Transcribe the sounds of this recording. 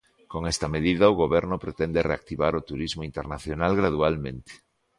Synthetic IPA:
koŋɛst̪ɐmeðiðɐʊɣoβɛɾnʊpɾet̪ɛnd̪ereak̚t̪iβaɾot̪uɾizmoint̪ernaθjonalɣɾað̞ualmḛ̃nt̪e̥

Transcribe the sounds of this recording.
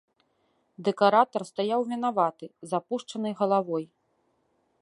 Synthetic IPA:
d̪ɛkaɾat̪ɐrst̪ajawvʲinavat̪ɨzapuʂt͡ʂɐnɨjɣɐlˠavɔj

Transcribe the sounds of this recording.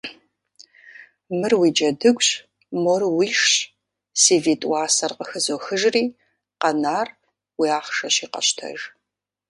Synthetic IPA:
mɨrwiːd͡ʒɐdɨɡʷʼɕ | mɔrwiːʂɕ | siːviːtʼwaːsɐrqəxɨzoxɨʒriː | qɐnaːr | wiaːχʂɐɕiːqɐ̰ɕtʰɐ̰ʒ

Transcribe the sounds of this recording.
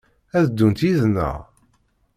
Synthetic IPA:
æðd̪ːunt̪iznə̰ʁ

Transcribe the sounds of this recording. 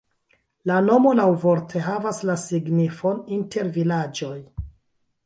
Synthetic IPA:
lano̞mo̞lawvo̞ɾtʰe̞ɦavaslasiɡnifo̞ninte̞ɾvilad͡ʒo̞j

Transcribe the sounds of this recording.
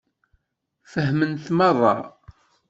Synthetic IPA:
fəɦmənθmərˤːɑ̰

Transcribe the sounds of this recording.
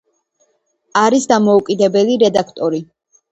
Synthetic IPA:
aɾisd̪amɔukʼid̪ɛbɛliɾɛd̪akʰt̪ʼɔɾi

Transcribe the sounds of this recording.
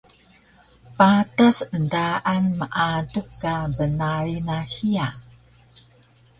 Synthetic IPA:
patasəndaʔanməʔadukːabənaɾinahia

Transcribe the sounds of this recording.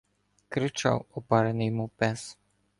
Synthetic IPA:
kɾit͡ʃa̰wɔpaɾɛnijmupɛs

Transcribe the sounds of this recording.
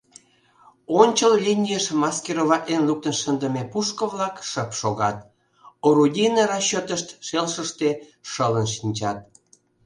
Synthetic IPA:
onʲt͡ɕəllʲinʲijəʃmɑskʲeɾoβɑʔenluk̚t̪ənʃənd̪əmepuʃkə̆vlɑkʃəpʃoɣɑt̪̚ | oɾud̪ʲinəɾɑɕːot̪əʃt̪ʃelʃəʃt̪eʃələnʃ̬inʲt͡ɕɑt̪̚

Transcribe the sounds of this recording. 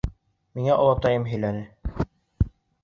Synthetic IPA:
miŋæʔɒlˠɑp̚t̪ɑjɤmɦɵ̆jlænɘ

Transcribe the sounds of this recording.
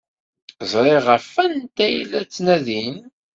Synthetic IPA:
zˤɾˤeʁəfænt̪æjlæt͡sːnæðin

